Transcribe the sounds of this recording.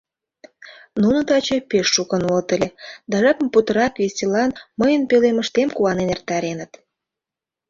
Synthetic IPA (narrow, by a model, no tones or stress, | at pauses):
nunə̆t̪ɑt͡ɕepeʃːukə̆nult̪əlʲed̪ɑʒɑkmput̪əɾɑkvesʲelɑnməjənpeleməʃt̪emkuɑnenert̪ːɑɾenət̪